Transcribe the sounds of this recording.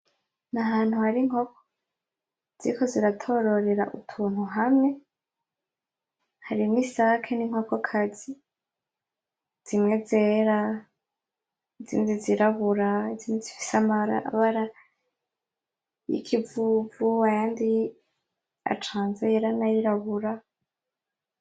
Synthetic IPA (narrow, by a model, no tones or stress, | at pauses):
naɦaːn̥huhaɾiŋ̥okʰo̥ | z̥ḭkʰo̞ziɾatʰo̞ɾo̞ɾeɾa̰ʔṵtʰuːn̥huɦamŋe̞ | haɾimŋiːsaakʰeniŋ̥hokokʰazi | z̥imŋe̞zeːɾa | izḭːndiziɾaβuɾaiziːndizifi̥samaɾa̰ʔa̰βaɾa | jḭkʰivuːvuajaːndi | a̰t͡ʃaːnzejeɾanajiɾaβuɾa